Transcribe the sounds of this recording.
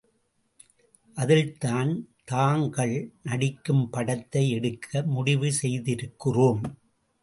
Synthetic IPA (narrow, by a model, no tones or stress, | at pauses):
ʔɐðɪlt̪aːnt̪aːŋɡɐɭnɐɽɪkːɯmpɐɽɐt̪ːɐɪɛɽɯkʰːɐmʊɽɪʋɯsɛjðɪɾɯkːɪroːm